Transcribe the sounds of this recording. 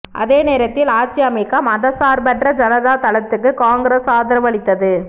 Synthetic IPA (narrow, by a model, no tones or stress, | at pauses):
ʔɐ̰ðeːneːɾɐt̪ːɪlaːt͡ʃːɪɐmɐɪkːaːmɐðɐsaːɾbɐʈrɐd͡ʒɐnɐðaːt̪ɐɭɐt̪ːɯkːɯkaːŋɡɪɾeːsaːðɐɾɐʋɐɭɪt̪ːɐðɯ